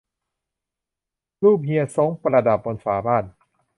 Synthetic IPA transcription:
luː˥˩p̚hi˧əso˦˥ŋpɾa˧da˨˩p̚bo˧nfaː˩˦baː˥˩n

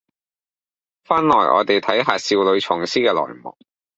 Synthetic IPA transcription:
faː˥nlɔː˨˩jʔɔ̰ː˨˧t̪e˨jt̪ʰɐ˨˥jɦaː˨siː˧wlɵ˨˧ɥt͡ʃʰɔː˨˩ŋsiː˥kɛː˧lɔ̰ː˨˩jmɔ̰ː˨˩k̚

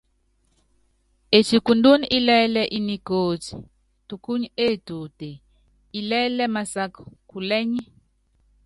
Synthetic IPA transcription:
e˨t͡ʃi˨ku˨ndu˦ni˦ʔi˦lɛ˦lɛ˦ʔi˦ni˨koː˨ti̥˨ | tu˨ku˦ɲe˦˨tu˨te˨ | i˨lɛ˦lɛ˦ma˨sa˦kɔ̥˨ku˨lɛ˦ɲi˦

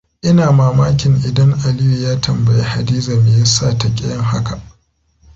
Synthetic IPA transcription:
ʔɪ˦naː˨maː˨maː˦kʲɪ˨ŋʔɪ˨dɐ˦ŋʔa˨liː˦ji˨jaː˦tʰɐ˨mbɐ˨je˦ha˨diː˦zɐ˨mɪ˨jɐ˦sːaː˦˨tɐ˨kʲʼɛ̰˦jɐ˦ŋha̰˦ka˨ʔ

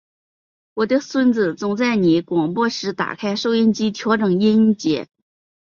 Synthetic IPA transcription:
wɔ˨˩d̪ə˥˧swə˥nt͡sɹ̩˨˩t͡sʊ˧˥ŋt͡sa˥˩ɪni˧˥kwɑ˨˩ŋpwɔ˥˩ʂɻ̩˧˥t̪a̰˨˩kʰa˥ɪʂo˥˧ʊjɛ˥˧nt͡ɕi˥t̪ʰjɑ˧˥ʊʈ͡ʂɤ˨˩ŋi˥n˥t͡ɕjɛ˧˥

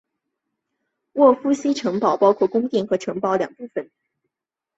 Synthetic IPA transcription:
wɔ˥˩fu˥ɕi˥ʈ͡ʂʰɤ˧˥ŋpɑ˨˩ʊpɑ˥ʊkʰwɔ˥˩kʊ˥ŋt̪i˥˩ŋxɤ˧˥ʈ͡ʂʰɤ˧˥ŋpɑ˧˥ʊljɑ̰˨˩ŋpu˥˩fə˨˩n

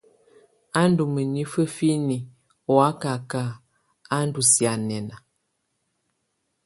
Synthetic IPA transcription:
a˦n˦du˨mə˨ni˦fə˦fi˦ni˨ | wa˦ka˨ka˦˨ | a˦n˦du˨sja˨nɛ˨na˨

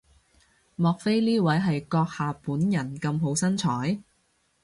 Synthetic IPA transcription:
mɔː˨k̚fe˥jliː˥wɐ˨˥jɦɐ˨jkɔː˧k̚haː˨puː˨˥njɐ˨˩nkɐ˧mɦo˨˥wsɐ˥nt͡ʃʰɔː˨˥j

